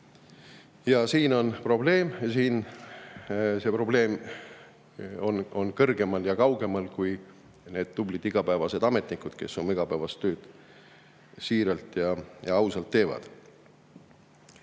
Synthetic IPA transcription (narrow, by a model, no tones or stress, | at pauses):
jɑsiːno̞npro̞ble̞ːmɑsiːn | se̞pro̞ble̞ːm | o̞no̞nkɤrɡ̥e̞mɑljɑkɑwɡ̥e̞mɑlkuj | ne̞ːd̪̥̚ːublid̪iɡ̥ɑpæevɑse̞d̪̥ɑme̞t̪ˑnikud̪̥ke̞̰sːumiɡ̥ɑpæevɑst̪ːøːd̪̥ | siːɾɑlt̪ˑjɑjɑɑwsɑlt̪ːe̞ːvɑ̰d̪̥